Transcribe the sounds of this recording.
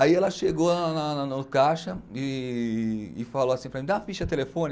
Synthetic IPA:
aiɛlɐʃeɡonanɐnnʊkaʃɐɪ | faloasĩpɾɐmĩd̪afiʃɐt̪elefõnɪ

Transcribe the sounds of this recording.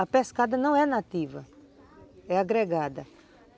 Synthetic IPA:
ɐpeskad̪ɐnɐ̃w̃ɛnat̪ivɐ̰ | ɛaɡɾeɡad̪ɐ

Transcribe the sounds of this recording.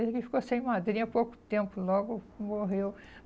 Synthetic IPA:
zkɪfi̥kosẽj̃mad̪ɾĩɲɐpowkʊ̥t̪ẽmpʊlɔɡʊmoɦew

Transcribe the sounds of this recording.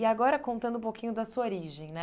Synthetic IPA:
iaɡɔɾɐkõnt̪ɐ̃d̪ʊũpokʰĩɲʊd̪ɐsuoɾiʒẽj̃nɛ

